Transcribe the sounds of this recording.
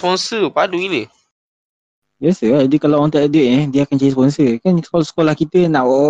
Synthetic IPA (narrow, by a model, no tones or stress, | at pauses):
pɔnsəpaduilə | biasəad͡ʒadikalawɔnt̪aʔdeʔ̪̚nɛdiəakant͡ʃaɾis̬pɔnsəkansolsə̥kolahkit̪ənaʔwɔʔ